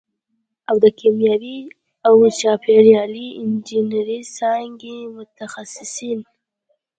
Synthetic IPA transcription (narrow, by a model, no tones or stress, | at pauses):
awd̪əkʰemjɑwi | awt͡ʃɑpʰeɾjɑliɪnd͡ʒinaɾisɑŋɡimʊt̪axasɪsin